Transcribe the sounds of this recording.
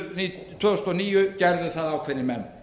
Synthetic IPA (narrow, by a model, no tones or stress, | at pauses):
nit̪ʰœst̪ɔniːjʏcɛɾðɪsaðawkʰfɛɾɪmɛn